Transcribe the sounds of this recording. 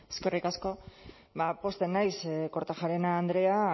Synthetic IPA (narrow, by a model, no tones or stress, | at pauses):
eske̞rikasko̞ | bapo̞st̪enajsko̞ɾt̪axaɾenaːnd̪ɾe̞a